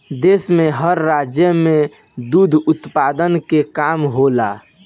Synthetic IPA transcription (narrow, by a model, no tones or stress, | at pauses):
d̪eːsmẽɦəɾːaːd͡ʒjəmẽ | d̪uːd̪ʱʊt̪paːd̪ənkekaːmɦola̰ː